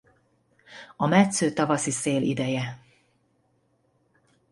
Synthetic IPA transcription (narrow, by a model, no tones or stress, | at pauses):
ɒmɛt̪søːt̪ɒvɒsiseːlḭd̪ɛjɛ